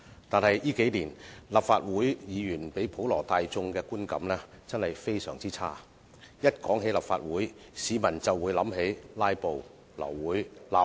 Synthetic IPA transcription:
t̪aː˨nhɐ˨jjiː˥ke˨˥jliː˨˩nlaː˨p̚faː˧t̚wuː˨˥jjiː˨˧jyː˨˩npe˨˥jpʰo˨˥wlɔː˨˩t̪aː˧jt͡sʊ˧ŋkɛː˧kuː˥nkɐ̰˨˧˥mlɛː˥t͡sɐ˥nhɐ˨˩jfe˥jsœː˨˩ŋt͡siː˥t͡sʰaː˥ | jɐ˥t̚kɔː˨˥ŋɦe˨˥jlaː˨˩pfa̰ː˧t̚wuː˨˥j | siː˨˧mɐ˨˩nt͡sɐ˨wːuː˨˧˥jlɐ˨˥mɦe˨˥jlaː˥jpo˨w | lɐ̰˨˩wːuː˨˥jlaː˨˧p̚

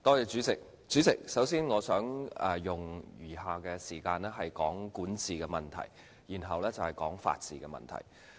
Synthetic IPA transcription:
t̪ɔː˥jɛː˧t͡ʃyː˨˥t͡sɪ˨k̚ | t͡syː˨˥t͡sɪ˨k̚sɐ˨˥wsiː˥nŋɔː˨˧sœː˨˥ŋɛ̰ː˨˩jʊ˨˩ŋjyː˨˩ɦaː˨kɛː˧siː˨˩kaː˧nlɛ˥ɦɐ˨jkɔː˨˥ŋkuː˨˥nt͡siː˨kɛː˧mɐ˨nt̪ʰɐ̰˨˩j | jiː˨˩nɦɐ˨wlɛː˥t͡sɐ˨whɐ˨˩jkɔː˨˥ŋfa̰ː˧t̚t͡sḭː˨˧kɛ˧mɐ̰˨˩nt̪ʰɐ̰˨˩j

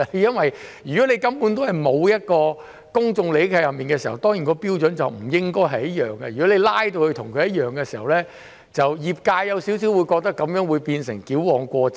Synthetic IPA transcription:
jɐ˥nwɐ˨jjyː˨˩kɔ˨˦˥ne˨˧jkɐ˥mpu˨˥nt̪o˥hɐ˨jmo˨˧wjɐ˥t̚kɔː˧ | kʊ˥ŋt͡sʊ˧ŋle˨˥jkʰɐ˧jɐ˨p̚miː˨nkɛː˧siː˨˩hɐ̰˨˩wt̪ɔː˥ŋjiː˨˩nkɔː˧piː˥wt͡sɵ˨˥nt͡sɐ˨wm̩˨˩jɪ˥ŋkɔː˥jɦɐ˨jɐ˥t̚jœː˨ŋkɐ˧jyː˨˩kɔ˨˥le˨˧jlaː˥jt̪o˧whɵ˧ɥt̪ʰʊ˨˩ŋkʰɵ˧jɐ˥t̚jœː˨ŋkɛː˧si̥ː˨˩hɐ˨˩wlɛː˥ | t͡sɐ˨wjiː˨p̚kaː˧jjɐ˨˧wsiː˨˥ws̬i˨˥wuː˨˧jkɔː˧k̚t̪ɐ˥kːɐ˨˥mjœː˨˥ŋwuː˨˧jpiː˧nsɪ˨˩ŋkiː˨˥wwɔː˨ŋkʷɔː˧

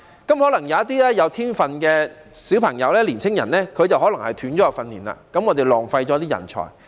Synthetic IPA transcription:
kɐ˥mhɔː˨˥lɐ˨˩ŋjɐ˨˧˦ɐ˥t̪iː˥lɛː˥jɐ˨˧wt̪ʰiː˥nfɐ˨nkɛː˧ | si˨˥wpʰɐ˨˩ŋjɐ˨˧wlɛː˥liː˨˩nt͡sʰɪ˥ŋjɐ˨˩nɛː˥kʰɵ˨˧jt͡sɐ˨wɦɔː˨˥lɐ˨˩ŋhɐ˨jt̪ʰyː˨˥nt͡sɔː˨˦˥ɐ˨˧wfɐ˧nːiː˨˩nla̰ː˧kɐ˨˥mŋɔː˨˧t̪e˨jlɔː˨ŋfɐ˧jt͡ɕɔː˨˥t̪iː˥jɐ̰˨˩nt͡ʃʰɔ̰ː˨˩j

